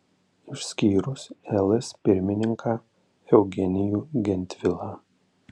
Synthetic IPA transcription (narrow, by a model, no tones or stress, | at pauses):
ɪʃʲsʲkʲiːɾʊsɛlˠɛspʲɪɾʲmʲɪnʲɪŋkʰaː | ɛʊɡʲɛnʲɪjuːɡʲɛnʲt̪ʲʋʲɪlˠaː